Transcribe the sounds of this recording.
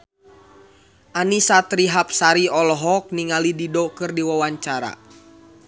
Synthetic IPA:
ʔanisat̪ɾiɦap̚saɾiɔlɔɦɔk̚niŋalididɔkɨrdiwawaɲt͡ʃaɾa̰

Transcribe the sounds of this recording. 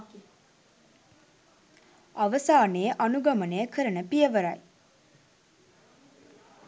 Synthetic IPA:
ɐʋəsaːneːʔɐnuɡɐməneːkʰəɾənəpijəʋəɾɐj

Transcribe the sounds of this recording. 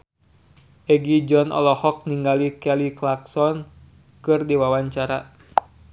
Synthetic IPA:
ʔɛɡid͡ʒɔnʔɔ̰lɔhɔk̚niŋɡalikɛliklaksɔn | kɨrdiwawaɲt͡ʃaɾa

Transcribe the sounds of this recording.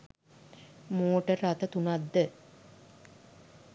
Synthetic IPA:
moːʈərːat̪ət̪unad̪ːə

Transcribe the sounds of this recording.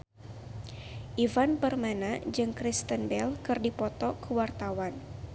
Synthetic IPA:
ʔivanpərmanad͡ʒɨŋkɾist̪ənbɛlkɨrdipɔt̪ɔkəwart̪awan

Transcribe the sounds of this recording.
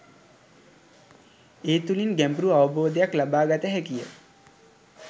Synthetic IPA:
eːt̪ulinɡæmbɾuaʋəboːd̪əjaklabaːɡat̪əɦækijə

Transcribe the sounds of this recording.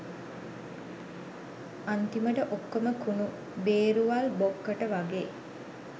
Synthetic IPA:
ant̪iməʈəʔokːoməkunu | beːɾuʋalbokːəʈəʋaɡeː

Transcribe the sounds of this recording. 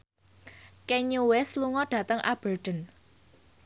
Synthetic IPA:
keɲuwɛsluŋɔɖ̥a̤t̪əŋʔa̰b̥ərɖ̥ə̤n

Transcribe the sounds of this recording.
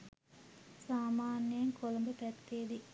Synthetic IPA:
saːmaːnijɐŋkʰolɐmbɐpɛt̪ːeːd̪i

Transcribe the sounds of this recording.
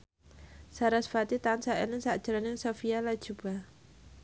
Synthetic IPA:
saɾasfat̪it̪ansaʔɛ̰nɪŋsaʔd̥ʒ̥aɾanɪŋsofialḁd͡ʒ̥uba

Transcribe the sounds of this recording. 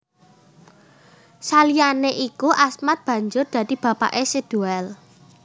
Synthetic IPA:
salijaneʔikuʔasmat̪̚b̥ä̤ɲd͡ʒʊrd̪̥ä̤d̪̥i̤b̥a̤pa̰ʔesed̪̥ṳɛl

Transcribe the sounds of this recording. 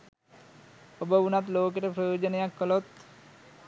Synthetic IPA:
obəunat̪loːk̬eʈəpɾojoːd͡ʒənejakːəlot̪

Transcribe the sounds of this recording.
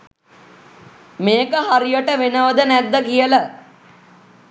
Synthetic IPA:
meːkəɦaɾijəʈəʋenəʋəd̪ənæd̪ːəkijələ

